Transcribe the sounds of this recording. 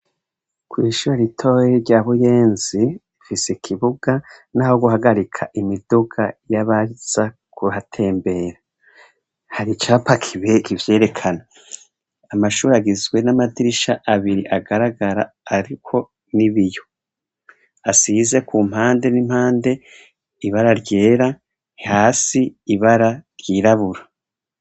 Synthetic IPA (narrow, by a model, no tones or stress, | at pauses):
kwiːʃuɾaɾitʰo̞jiɾɟaːβuje̞ːnzi | fisekʰiβuɡ̥anaːho̞ɡuɦaɡaɾikʰaʔimiduɡajaβaz̥a | kuhatʰe̞ːmbe̞ɾa | haɾit͡ʃaːpakʰiβekivje̞ːɾe̞kʰana | amaʃuːɾaɡizɡwe̞namadiɾiʃaʔaβiɾiʔaɡaɾaɡaɾa̰ː | ɾikʰo̞ | niβijo̞ | asiːze̞kum̥haːnde̞nim̥haːnde̞ | iβaɾaɾɟe̞ːɾa | haːsiːβaɾaɾjiːɾaβuɾa